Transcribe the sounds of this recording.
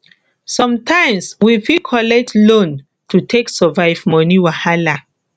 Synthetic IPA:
sɔ̃mtʰãɪ̃mswifikʰɔlɛk̚tlõn | tʰutʰeksɔvaɪvmɔniwahala

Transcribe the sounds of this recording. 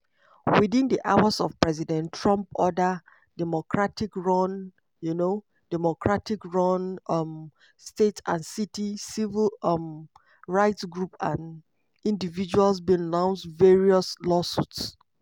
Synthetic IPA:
wiðĩndiʔawasɔv̥pɹɛzidɛ̃ntʰːɹɔ̃mpɔdə | d̥ɛmokʰɹatikɹɔ̃n | juno | d̥ɛmɔkɹatikɹɔ̃nm | stetã̰nsitisivilm | ɹaɪtsɡɹupã̰n | ĩndivid͡ʒualsbĩnnãʊ̃nsdveɹiɔslɔsuts

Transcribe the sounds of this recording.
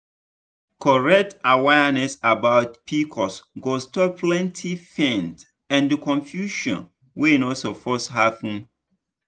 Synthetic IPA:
kʰɔɹɛk̚tawɛnɛsabaʊt̚pʰikʰɔsɡostɔpʰlɛ̃ntʰifɛ̃nt | ɛ̃ndəkʰɔ̃nfjuʃɔ̰̃n | wenɔsofɔsɦapũn

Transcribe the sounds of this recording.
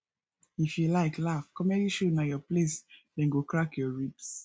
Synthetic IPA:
ifjulaɪklafkɔ̃mɛiʃonajɔplesdɛ̃nɡokɹakjɔɹips

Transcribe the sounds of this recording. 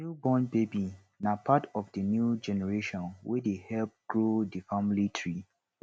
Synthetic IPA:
nubɔ̃nbebi | napʰatɔfdənjud͡ʒɛnɛɹeʃɔ̃nwɛdehɛlp̚ɡ̥ɹodifamlitʰɹi

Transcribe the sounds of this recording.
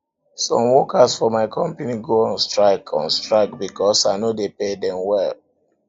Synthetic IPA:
sɔ̰̃mwɔkasfɔmaɪkʰɔ̃mpeniɡoãnstɹaɪkʰã̰nstɹaɪk̚bikɔsaɪnodepedɛ̃mwɛl

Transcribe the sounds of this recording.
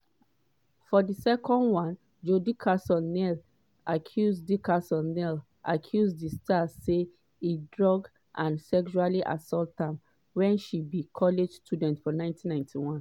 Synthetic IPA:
fɔdisɛkɔ̃ndwɔ̃n | d͡ʒodikʰasɔnɛl | ʔakʰjuzdikasɔ̃nɛl | ʔakʰjuzdistʰase | idɹɔɡ | ʔãnsɛkʃualiʔa̰sɔltãm | wɛ̃nʃibikʰɔled͡ʒstudɛ̃ntfɔnãɪ̃ntʰĩnãɪ̃ntʰiwɔ̃n

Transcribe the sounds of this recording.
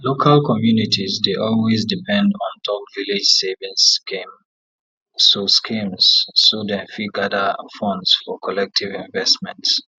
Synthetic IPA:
lokʰalkʰɔmjunitʰizdeʔɔlwezdipʰɛ̃ndɔ̃ntʰɔpvilid͡ʒsevĩnskĩm | soskʰĩmzːodɛ̃nfiɡadəfɔ̃ndsfɔkʰɔlɛk̚tʰivĩɱvɛstmɛ̰̃nts

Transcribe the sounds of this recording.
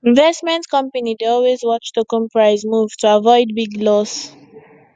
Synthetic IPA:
ĩnvɛstmɛ̃ntkʌ̃mpanideɔlwezwɔt͡ʃdəkɔ̃mpɹaɪzmuvtʰuavɔɪd̚biɡlɔs

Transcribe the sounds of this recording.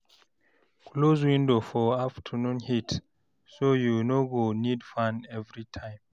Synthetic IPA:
kloz̬wĩndofɔaftʰənũnhit | sojunoɡonidfãnɛvɹitʰãɪ̃m

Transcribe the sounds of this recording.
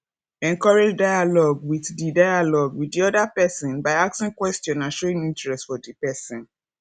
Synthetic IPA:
ɛ̃ŋkɔɹed͡ʒdajalɔɡwiddidajalɔɡwiddiɔdapɛsɔ̃nbaɪak̚sĩŋkwɛstɔ̃nãnʃɔɹĩŋĩntɹɛstfɔdipɛsĩn

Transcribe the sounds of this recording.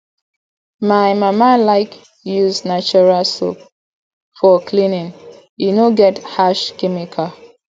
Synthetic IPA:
maɪmamalaɪk | juznat͡ʃuɹalso̰p̚ | fɔkʰlĩnĩn | inoɡɛthaʃkɛmikʰa

